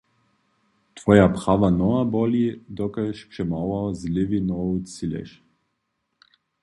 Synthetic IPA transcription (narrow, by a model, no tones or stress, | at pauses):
t̪vɔjapχavanɔabɔlid̪ɔkəʃpʃɛmawˠɔzlʲivinɔusilɛ̰ʃ